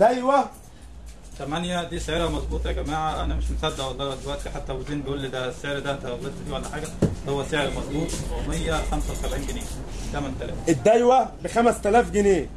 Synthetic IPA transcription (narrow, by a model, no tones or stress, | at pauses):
d̪æjwæ | t̪æmænjæd̪iːsæjɑːɾɑmɑzˤbuːt̪ˤɑɡæmaːʕæʔæ̰næmeʃmosæd̪ːæwɑlˤːɑd̪elwæʔt̪iħat̪ːæweziːnbeʔuːlːid̪æsːeʕeɾd̪æt̪eælːet̪ːd̪iːʕalæħaːɡæhowːæseʕeɾmɑzˤbuːt̪ˤmejːæxæmsæwsæbʕiːnɡeneː | t̪æmænt̪ælæ̰ːfʔed̪ːæjwæbɪxæmæst̪ælæːfɡeneː